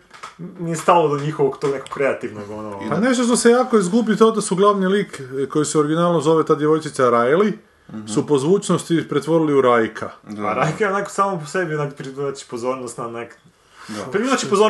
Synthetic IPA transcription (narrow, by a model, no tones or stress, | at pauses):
nijest̪alˠod̪oɲixoʋoɡt̪oneko̥kːɾeat̪iʋnoɡonopane̞ʃt̪oʃ̬t̪o̞se̞jaːkoizɡubit̪od̪asuɡlˠaʋniliːkkːo̞jiseoɾiɡinaːlnomzo̞ʋet̪aːd̪jeʋo̞jt͡ʃit̪saɾajli | supozʋuːt͡ʃnost̪ipɾet̪ʋo̞ɾiliuɾajkʰaa̰ɾajkajeonako̥saːmoposebinakpɾiiat͡ʃi̥pozo̞ɾnost̪nanak | pɾiminat͡ʃipozo